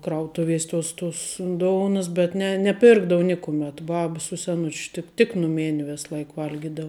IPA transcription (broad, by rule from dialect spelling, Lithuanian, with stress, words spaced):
ˈkrɐʊtʊʋʲiɛsʲ toːs toːs ˈdoːʊnɐs bʲɛt ˈnʲɛ nʲɛˈpʲɪrɡdɐʋʊ ˈnʲɪkʊmʲɛt ˈbɐp sʊ sʲɛˈnʊt͡ʃ ˈtʲɪk tʲɪk nʊˈmʲeːnʲ ˈʋʲeːs ˈlˠɐɪk ˈʋɐlʲɡʲɪdɐw